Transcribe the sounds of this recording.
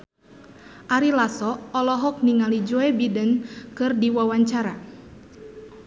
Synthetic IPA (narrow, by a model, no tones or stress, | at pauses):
ʔaɾilasɔɔlɔɦɔk̚niŋalid͡ʒɔɛbidənkɨrdiwawaɲt͡ʃaɾa